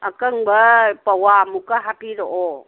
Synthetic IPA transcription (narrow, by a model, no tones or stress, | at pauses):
akəŋbəpawamukaɦapiɾɔʔɔ